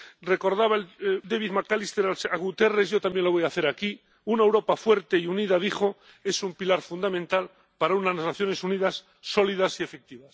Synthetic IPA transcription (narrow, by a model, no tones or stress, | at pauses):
re̞ko̞ɾðaβaeld̪eβiðmakalist̪e̞ɾalsaɣut̪e̞re̞zʝo̞t̪ambje̞nlo̞βo̞jaθe̞ɾaki | unaewɾo̞pafwe̞ɾt̪e̞iuniðaðixo̞ | e̞sumpilaɾfund̪amẽnt̪al | paɾaunaznaznaθjo̞ne̞suniðasː | o̞liðasie̞fek̚t̪iβas